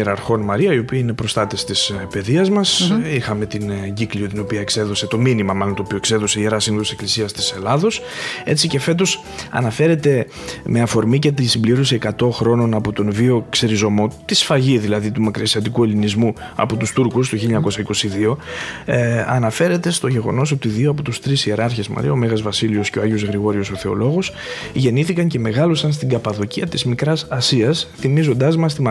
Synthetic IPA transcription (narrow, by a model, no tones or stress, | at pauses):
eɾɐɾxo̞nmɐɾiɐio̞piɐine̞pɾo̞st̪ɐt̪est̪ispe̞ðiɐzmɐsixɐme̞t̪inɟikliot̪ino̞piɐekse̞ðo̞se̞t̪o̞minimɐmɐlont̪opio̞ekse̞ðo̞seieɾɐsinoðose̞klisiɐst̪i̥se̞lɐðo̞s | e̞t͡sice̞fe̞t̪̬o̞s | ɐ̰nɐfe̞ɾe̞t̪e̞ | me̞ɐfo̞ɾmice̞t̪insimbliɾo̞sie̞kɐt̪o̞xɾo̞no̞nɐpo̞t̪o̞nvio̞kse̞ɾizo̞mo̞t̪isfɐʝiðilɐðit̪umɐkɾiɐsiɐt̪̬ikue̞linizmu | ɐ̰po̞t̪ust̪uɾkus̬t̪oçiʎɐɲɐko̞sɐiko̞siðio̞ | ɐ̰nɐfe̞ɾe̞t̪e̞st̪o̞ʝe̞ɣo̞̰no̞so̞t̪iðioɐpo̞t̪ust̪ɾisie̞ɾɐɾçe̞smɐ̰ɾḭɐo̞me̞ɣɐzvɐsilio̞sceoɐʝio̞zɣɾiɣo̞ɾio̞so̞θe̞o̞̰lo̞ɣo̞s | ʝe̞niθikɐɲce̞me̞ɣɐlo̞sɐnst̪iɡɐpɐðo̞ciɐt̪izmikɾɐsɐsiɐsθimizo̞nd̪ɐzmɐst̪imɐ